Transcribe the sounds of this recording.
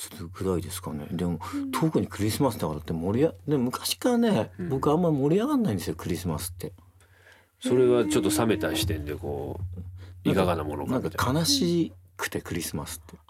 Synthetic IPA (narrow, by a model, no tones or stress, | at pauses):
sɨ̥ɾɯɡɯ̟ɾaid̪e̞sɨ̥kɑne̞̰d̪e̞mo̞t̪ʰokɯ̟ɲ̟ikɯ̟ɾʲisɨmasɨd̪akaɾat̪ːemo̞ɾʲiad̪e̞momɯ̟kḁɕi̥kaɾane̞bo̞kɯ̟amːaɾʲimo̞ɾʲiaɡãnːaĩnd̪sɨjo̞kɯ̟ɾʲisɨmasɨ̥t̪ːe̞ | so̞ɾe̞βat͡ɕo̞t̪ːo̞same̞t̪aɕi̥t̪ẽ̞nd̪e̞ko̞̰ː | ĩkaɡanamo̞no̰nk̪ãŋkakʰanaɕiːkɯ̥t̪e̞kɯ̟ɾʲisɨmasɨ̥t̪ːe̞